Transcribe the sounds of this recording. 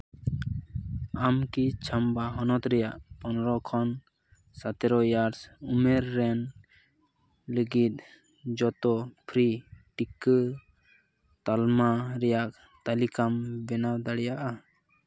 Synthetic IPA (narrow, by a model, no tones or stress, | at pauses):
amkit͡ʃʰambaɦɔnɔt̪ɾɛjaʔpɔnɾɔkʰɔn | sat̪ɛɾɔjaɾsumɛɾːɛn | ləɡit̪̚ | d͡ʒɔt̪ɔpʰɾiʈikə | t̪almaɾɛjak | t̪alikambɛnad̪aɽɛjaʔa